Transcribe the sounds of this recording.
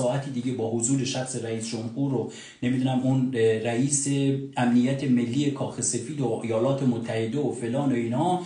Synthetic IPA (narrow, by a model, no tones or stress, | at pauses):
ɒːæt̪ʰid̪iːɟe̞bɒːhozuːɾe̞ʃæxse̞ɾæiːsd͡ʒomhuːɾo | ne̞mid̪uːnæmunræiːseæmnijæt̪ʰe̞me̞lːiːe̞kʰɒːxe̞se̞fiːd̪oʔejɒːlɒːt̪ʰe̞mot̪ʰːæhe̞d̪eofe̞lɒːnoiːnhɒː